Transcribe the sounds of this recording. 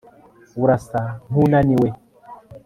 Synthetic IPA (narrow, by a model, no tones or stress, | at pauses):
wuɾasaɦunaniwe